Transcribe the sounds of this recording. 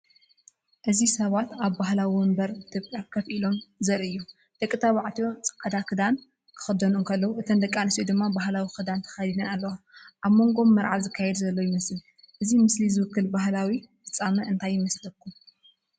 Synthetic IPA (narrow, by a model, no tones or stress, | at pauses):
ʔɨzisɐβat̪aβbaɦlawimɐmbɐɾit̪ʰopʼjakʰɐfʔilo̞mzɐɾɨjːo | d̪̥ɐkʼːɨt̪ʰaβaʕt̪ʰijo̞t͡sʼɐ̥kʼɐd̪akʰɨd̪an | kʰɨ̥xɨd̪ɐnunkʰɐlːɐwuʔɨt̪ʰɐnd̪ɐkʼːanɨsod̪ɨmːabaɦlawixɨd̪ant̪ʰɐ̥xajd̪inɐnalːɐwaʔaβmo̞ŋɡo̞mːɐɾʕaβzɨkʰːajɛd̪zɐlːo̞jɪmɐsɨl | ʔɨzimɨslizɨwɨkːɨlbahlawifɨt͡sʼːamɐʔɨnt̪ʰajːɪmɐslɐkʰːu